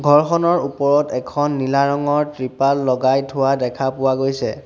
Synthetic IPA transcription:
ɡʱɔɹxɔnɔɹupɔɹɔtɛkʰɔnːilaɹɔŋɔɹtɹipalːɔɡajtʰʊwadɛkʰapʊwaɡojsɛ̰

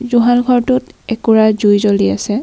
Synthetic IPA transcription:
zuɦalɡʱɔɹtutɛkuɹazujzoliasɛ

